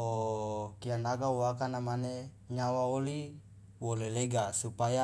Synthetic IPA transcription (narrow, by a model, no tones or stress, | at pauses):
okianaɡawakanamane | ɲawaoli | woleleɡasupaja